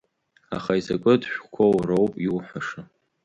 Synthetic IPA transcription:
a̰χaizakʷʼʊdʃʷᶣkʷʰowrowpʼiwħʷaʂa

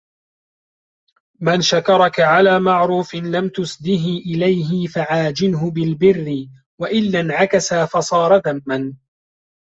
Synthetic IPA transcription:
manʃakɑɾˤɑkaʕalaːmaʕɾuːfɪnlamt̪ʊsd̪ɪɦɪʔɪlajɦɪfaʕaːd͡ʒɪnɦʊbɪlbɪrːɪ | waʔɪlːanʕakasaːfɑsˤɑːɾˤɑðamːan

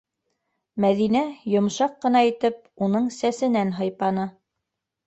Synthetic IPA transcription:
mæðinæjŏmʃɑqːɤ̆n̪ɑit̪ɘp̚ | unɤɴsæsɘ̆nænɦɤ̆jpɑnɤ

